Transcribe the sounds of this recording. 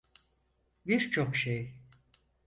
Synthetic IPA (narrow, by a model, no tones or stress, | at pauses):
biɾt͡ʃʰokʃej